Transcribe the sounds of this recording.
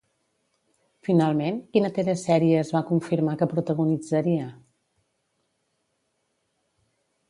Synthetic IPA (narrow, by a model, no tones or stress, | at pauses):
finalˠmenkinət̪eɾəsɛɾiəːzβakuɱfiɾmakəpɾut̪əɣunid͡zəɾiə